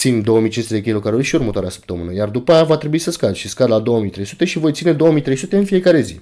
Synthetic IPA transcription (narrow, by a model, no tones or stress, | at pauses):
t̪sinʲd̪o̞omijt͡ʃinst̪eekʲilo̞kaɾurʲʃiurmət̪oaɾeasə̥p̚t̪əmɨ̰nəjard̪upajavat̪ɾebuisəskad̪ʃiskad̪lad̪o̞womit̪ɾe̞jsut̪e̞ʃivo̞jt̪sine̞d̪o̞omijt̪ɾe̞jsut̪e̞ɨnfije̞kaɾe̞zi